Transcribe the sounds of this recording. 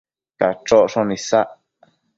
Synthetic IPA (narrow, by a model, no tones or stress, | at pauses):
kat͡ʃoʔʂõnĩsaʔ